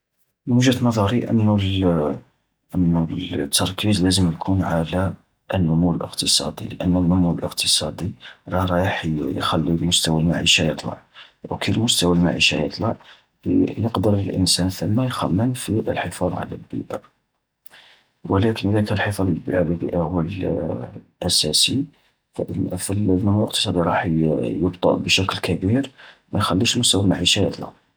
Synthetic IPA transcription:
mmuʒæt̪nɑðˤɑɾiʔə̰nːu | ʔənːut̪ːɑɾˤkizlæzəmjkʰunʕala | ʔənːʊmuwəlʔə̰qt̪əsˤɑ̰d̪ḭləʔənːənːʊmuwəlʔəqt̪ʰə̥sˤɑd̪iɾˤɑɾˤɑjəħjxælːilmʊst̪æwalmaʕiʃajət̪ˤlɑ̰ʕwkilmʊst̪æwalma̰ʕḭʃa̰jə̰t̪ˤlɑʕ | jəqd̪əɾˤləlʔə̰nsænθəmːæjxæmːənfiʔəlħəfɑðˤʕa̰læ̰lbḭʔə̰ | wəlækənʔəd̪ækælħəfˤɑllbəʕabibḭʔahʊwːəl | ʔæsæsi | filəlmænəlʔəq̚t̪ə̥sˤɑd̪iɾˤɑħjəbt̪ˤɑ̰lbəʃæklkæbiɾmæjxælːiʃlmʊst̪æwalmaʕiʃajət̪ˤlɑ̰ʕ

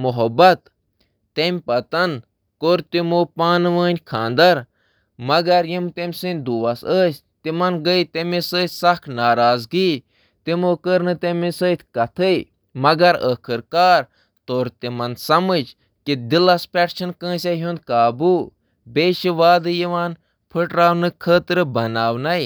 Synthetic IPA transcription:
muɦɐbɐt̪ː | emʲpɐt̪ɐn | koːɾt̪imoːpaːnɨʋəːnʲkʰãːnd̪ɐɾ | mɐɡɐɾjimt̪emʲsɨnʲd̪uːʋɐsəːsʲ | t̪imɐnɡəjt̪emʲisəːt̪ʰʲsɐkʰnaːɾaːzɡiː | t̪imoːkəɾnɨt̪emisəːt̪ʰʲkɐt̪ʰəj | mɐɡɐɾəkʰɨɾkaːɾ | t̪oɾt̪imɐnsɐmɨd͡ʒ | kid̪ilɐspʲɛʈt͡ʃʰɐnkə̃ːsʲaɦũnd̪̚kaːbuː | beːʃiʋaːd̪ɨjiʋaːn | pʰɨʈɾaːwnɨkʰəːt̪ɾɨbɐnaːwnɐj

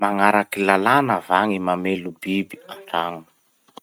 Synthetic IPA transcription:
maŋaɾakilalanavaŋimamelubibiaɳɖ͡ʐaŋun̥

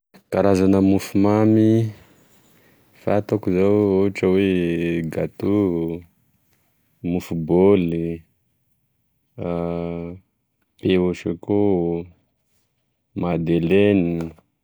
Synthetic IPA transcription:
kaɾazanəmufumami | fat̪akuzawoaʈ͡ʂəweɡat̪u | mufuboli | peoʃeko | mad̪eleni

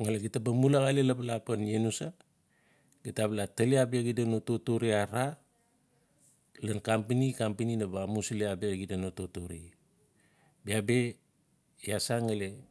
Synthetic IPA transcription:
ŋaleɡitabamulaɣalelaplapanjenusa | ɡitaβlataleabeaɡidanototoɾiaɾa | lankampinikampininaβamusleabeɡidanototoɾḭ | biabe̞ | jasaŋale

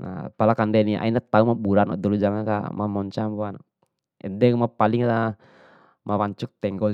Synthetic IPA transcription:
na̰palakandɛniʔa̰inat̪aumabuɾana̰dɔlud͡ʒaŋanka̰mamɔɲt͡ʃambuan | ɛ̰dɛmapaliŋa | mawaɲt͡ʃuk̚t̪ɛŋɡɔ

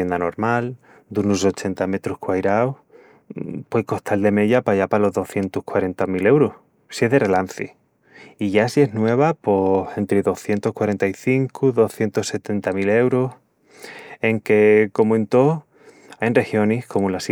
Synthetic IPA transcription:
end̪ano̞ɾmal | d̪unuso̞t͡ʃe̞nt̪ame̞t̪ɾuhkwajɾaw | pwoko̞ht̪ʰald̪e̞me̞ʎapaʝapalo̞ɦðo̞θje̞nt̪ohkwaɾe̞nt̪amile̞wɾoh | sie̞ɦðe̞re̞lan̟θḭ | iʝasie̞ɦnwe̞β̞apose̞nt̪ɾeðo̞hθje̞nt̪ohkwaɾe̞nt̪aiθiŋkuðo̞hθje̞nt̪ose̞t̪e̞nt̪amile̞wɾoh | e̞ŋke̞ko̞mwent̪o̞ | ajnre̞hjo̞nihko̞mulas

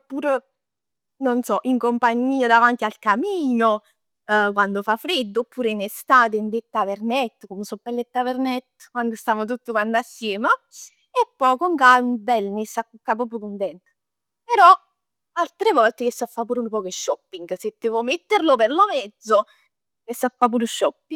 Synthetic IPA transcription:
pːuːɾ | nonsɔʔiŋkompaɲːiːad̪avant̪ialkamiːno | kwand̪ofafɾed̪ːoːpːuːɾeinest̪aːt̪̬eind̪et̪ːapernɛt̪ːkomsopːelːet̪ːavernɛt̪ː | kwand̪ost̪aːmot̪̬ut̪ːokwanːasːjɛːma | epːɔjkoŋkaunbɛlnisakːukːap̬ɔːpɾukunt̪ɛnt̪ | peɾɔ | alt̪ɾevɔlt̪ekesːafːapuːɾunpɔːkeʃːɔpːiŋɡsed̪ːevɔmet̪ːeɾloperlomɛd̪zːo | kesːafːap̬uːɾuʃːɔpːi

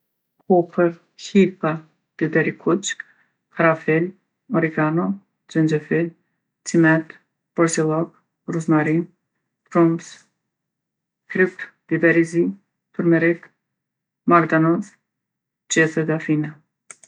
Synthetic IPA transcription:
kʰɔpəɾ | hipa | d̪̥ibɛɾikʰut͡ʃ | kʰaɾafɛl | ɔɾiɡanɔ | d͡ʒɛnd͡ʒɛfil | t͡simɛt̪ | b̥ɔɾsilˠɔk | ruznaɾin | p̪ɾums | kɾipd̪̥ibɛɾizi | pəɾmɛɾit̪ | maɾd̪anɔs | d͡ʒɛθɛd̪afina

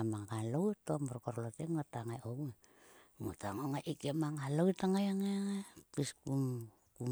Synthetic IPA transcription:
amaŋhalotomoɾkoɾloteŋotaŋajowe | motaŋoŋaʔikamaŋaloitaŋajaŋaaŋapiskum | ku

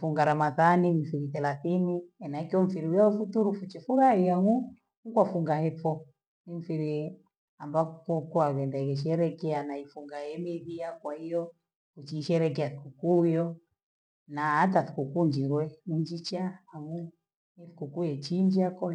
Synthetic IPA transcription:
fuŋɡaɾamaðanimifiɾiθɛlaθiniɛnakiɔm̩fiɾiujaufutuɾufut͡ʃɛfuɾahiaŋu | ukwafuŋɡahɛfɔ | nim̩fiɾi | ambakukɔkuakɛndakɛʃ̬ɛɾɛkɛanaifuŋɡajɛmiðiakwaijɔ | kut͡ʃiːʃɛɾɛkɛaθikukujɔ | naataθi̥kukuɲd͡ʒiɾwɛmuɲd͡ʒit͡ʃaaŋu | ɛθi̥kukujɛt͡ʃiɲd͡ʒiakɔ

